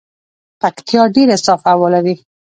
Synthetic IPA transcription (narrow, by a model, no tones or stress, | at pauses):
pakt̪jɑɖeɾasɑfawɑlaɾi